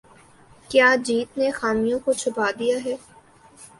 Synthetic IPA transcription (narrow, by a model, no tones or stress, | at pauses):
kjaːd͡ʒiːt̪nexaːmijõkot͡ʃʰʊbaːd̪ijaɦɛː